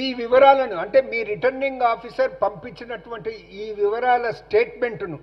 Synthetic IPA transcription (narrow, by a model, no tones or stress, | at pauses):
iːʋiʋɐɾaːlɐnuɐɳʈe̞ːmiːɾiʈɐɾniŋɡaːpʰisɐɾpɐmpiɲt͡ʃːinɐʈuʋɐɳʈiiːʋiʋɐɾaːlɐsʈe̞ːʈme̞ɳʈnu